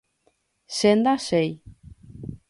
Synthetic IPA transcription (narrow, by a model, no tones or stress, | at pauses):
send̪asej